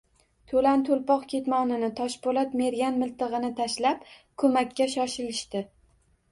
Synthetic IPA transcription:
t̪ʰɵlant̪ʰolˠpɒqkʲʰe̞t̪mɒnɪnɪt̪ʰɒʃbolat̪me̞ɾɡʲanmɪlt̪ɨʁɨnɪt̪ʰaʃlap̚kʰɵmakʲːaʃɒʃɪlɪʃt̪ɪ

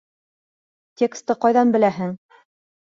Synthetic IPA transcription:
tʲekst̪ːɤqɑjðɑnbɘ̆læɦɘŋ

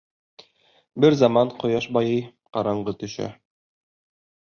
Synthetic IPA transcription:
bɘɾzɑmɑɴqŏjɑʃbɑjɤj | qɑɾɑɴɢɤt̪ɵ̆ʃæ̰

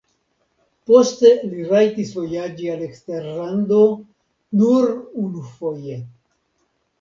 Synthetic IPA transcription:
po̞ste̞liɾajtisvo̞jad͡ʒiale̞kste̞ɾlando̞ | nuɾunufoje̞

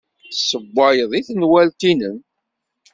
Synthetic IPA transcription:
səbːɑjəðˤiθənwælt̪inən

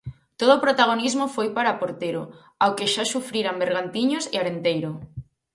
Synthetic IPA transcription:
t̪oðoːpɾot̪aɣ̞onizmofojpaɾapoɾt̪eɾo | awkeʃasufɾiɾambeɾɣant̪iɲosɪaɾent̪ejɾo

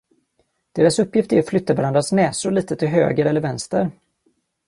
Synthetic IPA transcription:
d̪̥eːɾasɵpːjɪft̪æɾat̪flʏt̪ːavaɾand̪ɾasnɛːsʊliːt̪ət̪ʰɪlɦø̰ːɡəɾɛlːəɾvɛnst̪əɾ

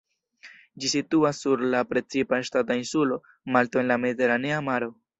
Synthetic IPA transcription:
d͡ʒisituasːuɾlapɾe̞t͡sipaeʃtat̬ainsulo̞ | malto̞e̞nlame̞dite̞ɾaneamaɾo̞

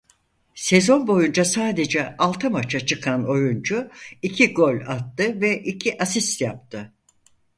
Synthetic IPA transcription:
se̞zo̞nbo̞jund͡ʒasaːd̪e̞d͡ʒɛʔalˠt̪ʰɯmat͡ʃʰat͡ʃʰɯkʰano̞jund͡ʒuicʰiɡo̞lʲat̪ːɯvɛʔicʰiʔasist̪jap̚t̪ʰɯ

